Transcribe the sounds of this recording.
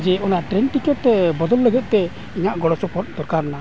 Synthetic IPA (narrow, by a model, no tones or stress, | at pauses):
d͡ʒɛɔnaʈɾɛnʈikɛtɛbɔd̪ɔlːəɡɛt̪̚ˀt̪ɛ | iɲaʔɡɔɽɔsɔpɔt̪̚ˀd̪ɔɾkaɾna